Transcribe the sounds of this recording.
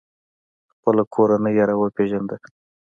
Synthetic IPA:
xpəlakʰoɾanəjːaɾawəpeʒand̪ə

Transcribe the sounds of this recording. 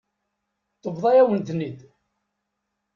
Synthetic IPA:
θəvðˤɑjæwənt̪nːid̪

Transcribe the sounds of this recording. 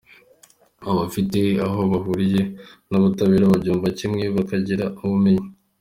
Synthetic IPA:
aβafite̞aɦo̞βaɦuɾije̞naβutaβeːɾaβabɟuːɱvacimŋe̞βakaɟiɾauβume̞ɲe

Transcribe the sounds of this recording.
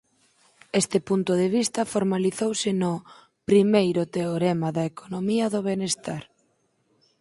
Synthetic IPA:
est̪ɪpunt̪ʊðeβ̞ist̪ɐfoɾmaliθowsɪnʊ | pɾimejɾʊt̪eoɾemaðɐekʰonomiɐðoβenest̪aɾ

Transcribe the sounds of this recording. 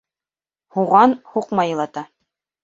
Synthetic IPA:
huʁɑnhuqmɑjɤ̆lˠɑt̪ɑ

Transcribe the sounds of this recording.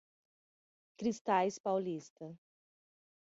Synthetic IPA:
kɾist̪ajspawlist̪ɐ

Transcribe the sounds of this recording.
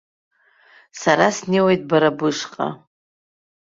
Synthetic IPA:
saɾasnewejtʼbaɾabɨʂqʼa̰

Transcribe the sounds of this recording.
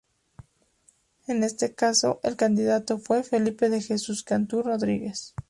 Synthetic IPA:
ene̞st̪e̞kaso̞̰ʔelkand̪iðat̪o̞fwe̞fe̞lipe̞ðe̞xesuskant̪uro̞ðɾiɣe̞s

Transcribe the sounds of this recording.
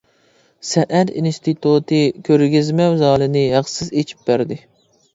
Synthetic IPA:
sɛʔæɾinst̪ʰɨt̪ʰut̪ɨkʲʰøɾɡʲizmɛwzɑːlˠɨnɨjɑχsɨzet͡ʃʰi̥p̚bæɾd̪ɪ

